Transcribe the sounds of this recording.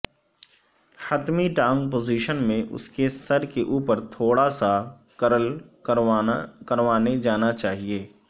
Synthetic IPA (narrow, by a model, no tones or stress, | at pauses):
hət̪miʈãːŋɡp̬oːziːʃənmẽʔʊ̰skesɐɾkeʔuːpəɾt̪ʰoːɽasa | kl | kəɾʋaːned͡ʒaːnat͡ʃaːɦieː